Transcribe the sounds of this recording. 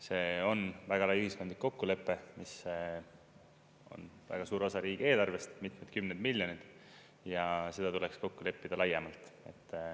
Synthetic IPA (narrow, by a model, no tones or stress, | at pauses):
se̞ːo̞nvæɡ̥ɑlɑjyhiskod̪likːo̞kːule̞pːe̞mis | o̞̰nvæ̰ɡ̥ɑsuːɾosɑɾiːɡ̥ie̞ːlɑrve̞st̪mit̪med̪̚kymned̪milʲjo̞nid̪ | jɑse̞d̪̥ɑt̪ule̞ksko̞kːule̞pːid̪̥ɑlɑjemɑlt̪ˑe̞̰t̪ːˑ